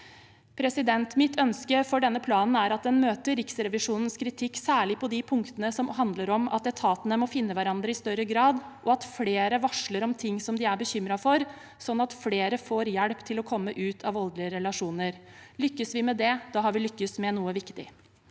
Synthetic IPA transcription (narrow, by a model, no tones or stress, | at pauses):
pʰɾɛsɪd̪ɛnt̪mɪt̪ʰœnskəfɔɖɛnːəpʰlɑːnn̩æɾɑt̪̚d̪ɛnmøːt̪əɾɪksɾɛʋɪʂuːnən̩skʰɾɪt̪ʰɪkːsæːɭɪpʰɔd̪ɪpʰʊŋkt̪ənəsɔmɦɑnd̪ləɾɔmɑ̰t̪ɛt̪ʰɑːt̪ənəmɔfɪnːəʋæɾɑnd̪ɾəɪst̪œɾəɡɾɑːd̪ʔɔɑt̪fleːɾəʋɑʂləɾɔmt̪ʰɪŋːsɔmd̪ɪæbəçʏmɾɑfɔɾ | sɔnːɑt̪fleːɾəfoːɾjæɽpt̪ʰɪlɔkʰɔmːəʔʉːt̪ʰɑʋɔld̪lɪəɾɛlɑʂuːnəɾlʏkːəsʋɪmɛd̪ɛd̪ɑːɦɑɾʋɪlʏkːəsmɛnuːəʋɪkt̪ɪ̰